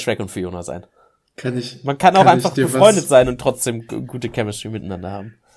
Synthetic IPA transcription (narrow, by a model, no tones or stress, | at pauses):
ʃʁɛkʊnfyːjoːnaza̰ɪn | kʰanmankʰanaʊxaɪnfaχbəfʁɔʏndətz̥aɪnʊntːʁ̥ɔt͡sd̥eːmɡuːtəkʰɛməstʁ̥iːmɪtnandɐha̰ːbm̩